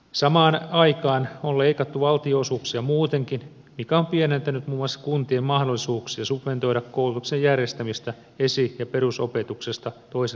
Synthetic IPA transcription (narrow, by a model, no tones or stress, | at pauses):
sɑmɑːnɑikɑːnolleikɑt̪ːuʋɑlt̪ioːsuːksiɑmuːt̪eŋkin | mikæompienent̪ænyt̪muːmoɑsːɑ̥kunt̪iemmɑhdolːisuːksiɑsupʋe̞nt̪o̞iɾɑkkoulut̪uksejjærjest̪æmist̪æ | esijɑpe̞ɾuso̞pet̪uksest̪ɑt̪oise